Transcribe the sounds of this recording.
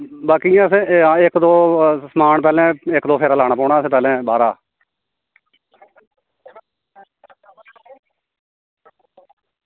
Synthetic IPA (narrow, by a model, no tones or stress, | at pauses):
baːkijãːəsẽːaɪkd̪oːsəmaːɳp̬ɛːlẽːɪkd̪oːpʰeːɾaːlaːɽ̃aːpɔːɳaːəsẽːpɛːlẽːbaːɾaː